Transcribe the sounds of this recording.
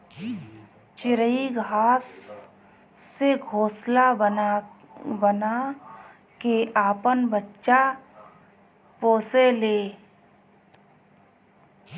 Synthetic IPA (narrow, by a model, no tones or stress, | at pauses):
t͡ʃɪɾəiɡʱaːs | eɡʱoːslaə | bəna | keʔaːpənbətːʃa | poːseleː